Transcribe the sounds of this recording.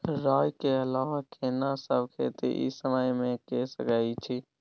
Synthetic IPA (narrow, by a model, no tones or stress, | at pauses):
ɾaːjkeəlaʋakʰenasəbkʰet̪ḛʔḭsəməjmẽkesəkait͡ʃʰi